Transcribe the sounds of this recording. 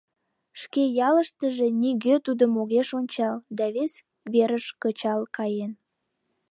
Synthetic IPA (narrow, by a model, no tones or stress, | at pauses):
ʃkejɑləʃt̪əʒe̽niɣøt̪ud̪əmoɣeʃonʲt͡ɕɑld̪ɑβes | βeɾəʃkət͡ɕɑlkɑjen